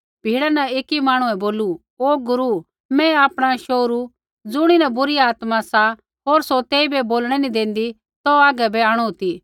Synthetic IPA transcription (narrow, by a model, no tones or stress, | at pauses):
bʱiːɽanɐeːkːimaːɽ̃ũɛ̃boːlu | oːɡʊɾu | mɛ̃aːpɽ̃aʃoːɾu | d͡zʊɽ̃inɐbʊɾiaːt̪mãsa | ɦoːɾsot̪eːibɛboːlɽ̃ɛnĩd̪ẽːnd̪i | t̪ɔaːɡɛbɛaːɽ̃uot̪iː